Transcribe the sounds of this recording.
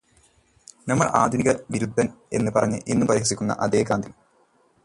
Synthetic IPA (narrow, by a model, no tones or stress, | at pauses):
nɐmːɐ̰ɭaːd̪ʱuniɣɐʋiɾud̪ʱːɐne̞̰nːɨpɐrɐɲːɨ̰ʔinːumpɐɾiɦsikʲːunːɐ̰ʔɐd̪eːkaːnd̪ʱil